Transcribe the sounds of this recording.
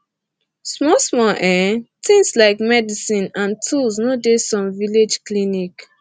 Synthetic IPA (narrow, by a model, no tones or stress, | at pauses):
smɔsmɔʔɛtĩŋslaɪkmɛdisĩnãntʰulsnodesɔ̃mviled͡ʒklinik